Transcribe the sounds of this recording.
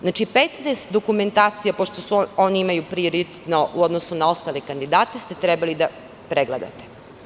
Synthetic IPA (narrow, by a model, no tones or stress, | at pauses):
znat͡ʃipet̪nɛːst̪d̪o̞kume̞nt̪aːt̪sijapoʃt̪osuo̞niimajupɾioɾit̪et̪noʔuod̪nosunao̞st̪alekand̪id̪aːt̪est̪e̞t̪ɾɛbalid̪a | pɾeɡled̪a̰t̪e̥